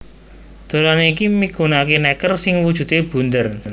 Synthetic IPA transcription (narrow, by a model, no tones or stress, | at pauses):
d̪̥o̤laneikimiɡ̥ṳnakenɛkərsɪŋwud̥ʒ̥ṳt̪eb̥ṳnd̪ər